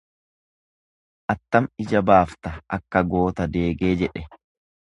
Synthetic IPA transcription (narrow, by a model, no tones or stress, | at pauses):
ʔɐt̪ːɐmɪd͡ʒɐbaːft̪ɐɐkːɐɡo̞ːt̪ɐd̪e̞ːɡe̞ːd͡ʒɛᶑɛ